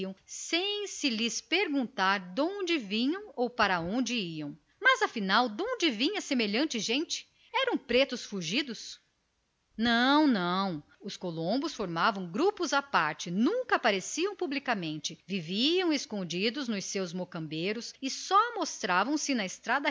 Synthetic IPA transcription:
ɐ̃w̃sẽj̃sɪlɪspeɾɡũnt̪aɾd̪õd͡ʒɪvĩɲɐ̃w̃owpaɾɐõd͡ʒɪiɐ̃w̃ | mɐzɐfinawd̪õnd͡ʒɪvĩɲɐsemeʎɐ̃nt͡ʃɪʒẽnt͡ʃɪ̥ | ɛɾɐ̃w̃pɾet̪ʊsfuʒid̪ʊs | nɐ̃w̃nɐ̃w̃ | ʊskolõmbʊsfoɾmavɐ̃w̃ɡɾupʊzapaɾt͡ʃɪnũkɐpaɾesiɐ̃w̃publikɐmẽnt͡ʃɪviviɐ̃w̃eskõnd͡ʒid̪ʊznʊsewzmokɐ̃mbeɾʊsɪsɔmost̪ɾavɐ̃w̃sɪnɐɪst̪ɾad̪ɐ

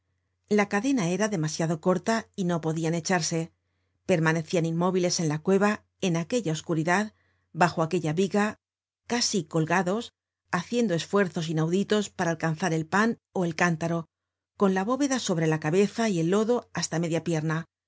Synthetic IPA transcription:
lakaðe̞nae̞ɾaðe̞masjaðo̞ko̞ɾt̪aino̞po̞ðiane̞t͡ʃaɾse̞ | pe̞ɾmane̞θianinmo̞βile̞se̞nlakwe̞βa | e̞nake̞ʎaoskuɾiðað | baxo̞ake̞ʎaβiɣa | kasiko̞lɣaðo̞s | aθje̞nd̪o̞e̞sfwe̞ɾθo̞s̬inawðit̪o̞spaɾaːlkanθaɾe̞lpano̞e̞lkant̪aɾo̞ | ko̞nlaβo̞βe̞ðaso̞βɾe̞lakaβe̞θaie̞lːo̞ðo̞ast̪ame̞ðjapje̞ɾna

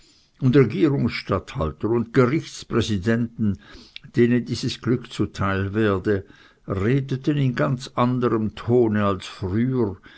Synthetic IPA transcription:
ʊndʁeɡiːʁʊŋsʃtatha̰ltəʊndɡ̥əʁɪçt͡spʁ̥ɛzidɛntn̩d̥eːnəndiːz̥əsɡ̥lʏkt͡sutʰaɪlvɛːɐdə | ʁeːdətʰənɪnɡant͡sʔandəʁəmtʰoːnəalsfʁyːəʁ

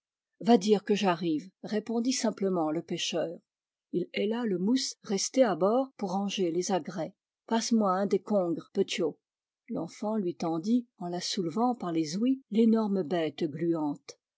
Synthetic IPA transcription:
vad̪iʁkəʒaʁivʁepɔ̃d̪isɛ̃pləmɑ̃ləpɛʃœːʁ | ilelaləmusʁɛst̪eabɔːʁpuʁːɑ̃ʒelezaɡʁɛ | pasmwaɛ̃d̪ekɔ̃ɡʁpət̪jo | lɑ̰̃fɑ̃lɥit̪ɑ̃d̪iɑ̃lasulvɑ̃paʁlezwilenɔʁməbɛt̪ɡlyɑ̃t̪

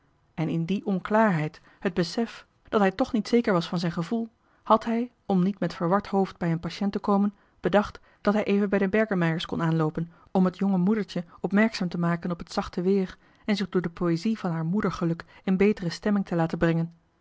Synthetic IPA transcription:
ɛnɪndiʔɔnklaːɹɦɛjt | həd̚bəsɛf | d̥ɑtɦɛjtɔχnitsejkəɹʋɑsfɑnzɛjnχəvulˠ | hɑtɦɛj | ɔmnitmɛtfəɹʋɑɹtɦowft̚bɛjənpaʃɛntəkowmən | b̥ədɑχt | d̥ɑtɦɛjʔejvənbɛjdəbɛɹɡəmɛjəɹskɔ̰naːnlowpən | ɔmɦətjɔŋəmudəɹcəɔpmɛɹksaːmtəmaːkənɔpɦətsɑχtəʋɪːɹ | ɛnzɪχdʊːɹdəpʰowezivɑnɦaːɹmudəɹχəlɵkɪnbejtərəstɛmɪŋtəlaːtənbrɛŋən

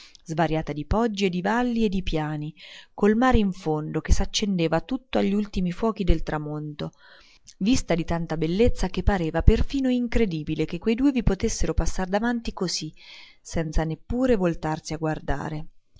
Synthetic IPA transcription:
zvaɾjaːt̪ad̪ipɔd͡ʒːeed̪ːivalːied̪ːipjaːnikolmaːɾeiɱfond̪ok̟esat͡ʃːend̪eːvat̪ut̪ːoaʎːiult̪imifwɔːk̟id̪elt̪ɾamont̪o | vist̪ad̪it̪ant̪abelːet̪sːakepːaɾeːvaperfiːnoiŋkɾed̪iːbilek̟ekːwejd̪uːevipot̪esːeɾopasːard̪avant̪ikozi | sɛnt̪sanepːuːɾevolt̪arsiaɡward̪a̰ːɾe

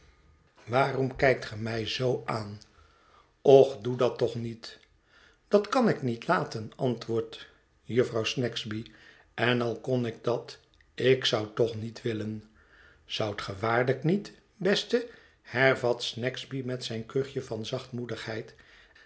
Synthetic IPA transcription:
ʋaːrɔmkɛjk̚tχəmɛjzowaːn | ɔχdudɑtːɔχnit | d̥ɑtkɑnɪknitlaːtənɑntʋʊːɹt | jɵfrɑwsnɛkzbi | ʔɛnɑlˠkɔnɪɡ̚dɑt | ɪksʌwtɔχnitʋɪlən | z̥ʌwtχəʋaːɹləknit | bɛstə | hɛɹvɑtsnɛkzbimɛtsɛjnkɵχjəvɑnzɑχtmudəχhɛjt

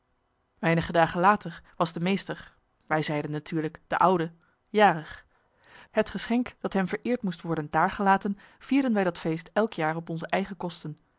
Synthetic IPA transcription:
ʋɛjnəχədaːχənlaːtəɹʋɑzdəmejstəɹ | ʋɛjzɛjdənːatʰyːɹləkd̥əʔʌwdə | jaːrəχ | ɦətχəsχɛŋkd̥ɑtɦɛmvəɹʔɪːɹtmustʋɔɹdəndaːɹχəlaːtən | v̥iːɹdənʋɛjdɑtfejstɛlˠkjaːɹɔpɔnzəʔɛjχəkɔstən

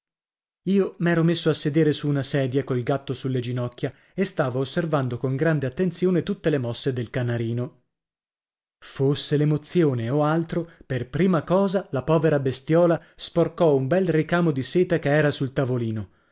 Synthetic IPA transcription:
iːomɛːɾomesːoasːed̪eːɾesuːnasɛːd̪jakolɡat̪ːosulːed͡ʒinɔkːja | est̪aːvoosːervand̪okoŋɡɾand̪eat̪ːent̪sjoːnet̪ut̪ːelemɔsːed̪elkanaɾiːno | fosːelemot̪sːjoːneoalt̪ɾoperpɾiːmakɔːzalapɔːveɾabest̪jɔːla | sporkɔumbɛlrikaːmod̪iseːt̪akeɛːɾasult̪avoliːno

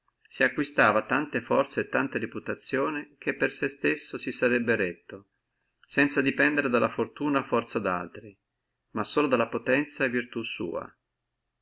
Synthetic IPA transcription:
siakːwist̪aːvat̪ant̪efɔrt̪seet̪ːant̪eɾiput̪at̪sːjoːnik̟epːersest̪esːosisaɾɛbːeɾɛt̪ːo | sɛnt̪sad̪ipɛnd̪eɾed̪alːafort̪uːnafɔrt̪sad̪a̰lt̪ɾi | masːoːlod̪alːapot̪ɛnt̪saevːirt̪usṵːa̰

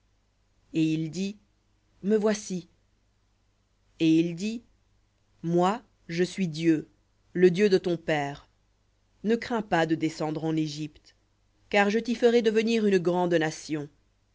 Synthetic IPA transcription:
eild̪i | məvwasi | eild̪i | mwa | ʒəsɥid̪jø | ləd̪jød̪ət̪ɔ̃pɛːʁ | nəkχɛ̃pad̪əd̪esɑ̃d̪ʁɑ̃neʒipt̪ | kaʁʒət̪ifəʁɛd̪əvəniʁynəɡʁɑ̃d̪nasjɔ̃

